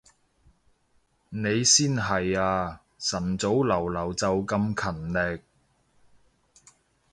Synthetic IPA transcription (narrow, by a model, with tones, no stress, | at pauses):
ne˨˧jsiː˥nɦɐ˨jaː˧ | sɐ˨˩nt͡so˨˥wlɐ˨˩wlɐ˨˩wt͡sɐ˨wkɐ˧mkʰɐ˨˩nlɛ˨k̚